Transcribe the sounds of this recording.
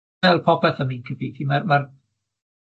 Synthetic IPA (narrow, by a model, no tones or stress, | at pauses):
ɛlˠpʰɔpʰɛθəminkʰɪpʰitʰimarmar